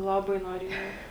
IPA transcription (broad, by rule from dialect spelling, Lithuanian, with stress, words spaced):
ˈlˠɑːˌbɐɪ noːˈrʲiɛjɛʊ